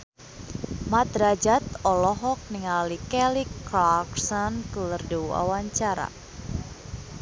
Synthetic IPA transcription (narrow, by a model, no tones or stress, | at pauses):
mat̪ɾad͡ʒat̪ɔlɔɦɔk̚niŋalikɛlikːlaksɔnkələrdua̰waɲt͡ʃaɾa̰